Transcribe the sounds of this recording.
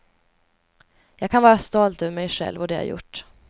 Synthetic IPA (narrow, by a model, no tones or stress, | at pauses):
jɑːɡ̚kʰanvɑːɾast̪ɔlt̪øːvəɾmɛjɧɛ̰lvɔd̪ɛja̰jʊ̰ʈː